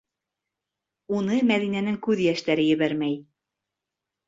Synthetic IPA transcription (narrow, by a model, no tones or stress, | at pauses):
unɤmæðinænɘŋkʉðjæʃt̪æɾɘjɘ̆βæɾmæj